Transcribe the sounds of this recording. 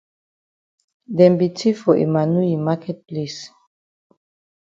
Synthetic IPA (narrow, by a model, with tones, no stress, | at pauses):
dɛ̃˨mbi˨tʰi˦fɔ˨ʔḛ˨ma˨nu˦i˨ma˦kʰɛ˦t̚ples